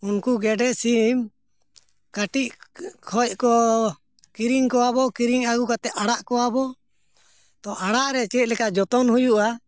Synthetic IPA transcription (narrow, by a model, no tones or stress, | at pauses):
unkuɡɛɖɛsim | kaʈiʔkʰɔj̚kɔ | kiɾiŋkɔwabɔkiɾiŋaɡukat̪ɛʔ̪aɽaʔkɔwabɔ | t̪ɔʔaɽaʔɾɛt͡ʃɛt̪̚lɛkaʔd͡ʒɔt̪ɔnɦhujuʔa